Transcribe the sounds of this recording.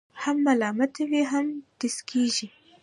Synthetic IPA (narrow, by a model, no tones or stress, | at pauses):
hamːalɑːmat̪ʰeweɦamd̪̥ɪskʰiʒi